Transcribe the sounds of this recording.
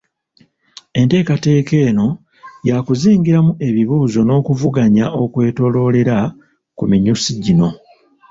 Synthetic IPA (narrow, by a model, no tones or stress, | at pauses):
e̞nte̞ːkate̞ːke̞ːno̞ | jakuziːɲɡiɾamue̞βiβuːzo̞no̞ːkuvuɡaɲao̞kwe̞ːtolo̞le̞ɾa | kumiɲusiɟino̞